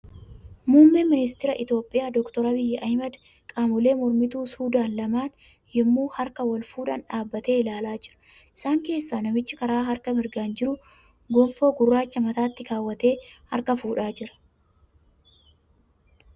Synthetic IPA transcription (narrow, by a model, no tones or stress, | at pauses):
muːmːɪmɪnɪst̪ɪɾɐʔɪt̪jo̞ːpʼːɪjaːd̪ɔkt̪ɔɾɐbɪjːɛʔɐhmɐd̪ | kʼaːmʊle̞ːmɔɾmɪt̪uːsuːd̪aːnlɐmaːn | jɛmːuːhɐɾkɐwɐlfuːᶑɐnᶑaːbːɐt̪e̞ːɪlaːlaːd͡ʒɪɾɐ̥ | ʔɪ̥saːŋke̞ːsːaːnɐmɪt͡ʃːɪkɐɾaːɦɐɾkɐmɪɾɡaːnd͡ʒɪɾʊ | ɡɔmfo̞ːɡʊrːaːt͡ʃːɐmɐt̪aːt̪ːɪkaːwːɐt̪e̞ːhɐ̰ɾkɐfuːᶑaːd͡ʒɪɾɐ̥